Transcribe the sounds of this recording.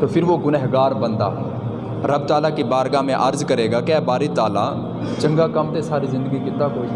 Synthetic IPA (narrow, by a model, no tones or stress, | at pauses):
t̪oːpʰɪɾʋoɡʊnɛɦɡaːɾbənd̪a̰ː | ɾəbt̪aːlaːkibaːɾɡaːmẽʔɐɾzkəɾeːɡaːkɛːbaːɾɪt̪aːla̰ː | t͡ʃə̃ŋɡaːkəmt̪esaːɾiːzɪ̃nd̪əɡikɪt̪ːaːkoː